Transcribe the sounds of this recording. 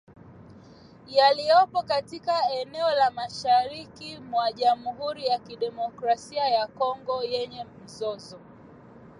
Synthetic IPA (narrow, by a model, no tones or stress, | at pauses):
jalijɔpɔkatikaɛnɛɔlamaʃaɾikimwaʄamuɦuɾijakiɗɛmɔkɾasiajakɔŋɡɔjɛɲɛm̩zɔzɔ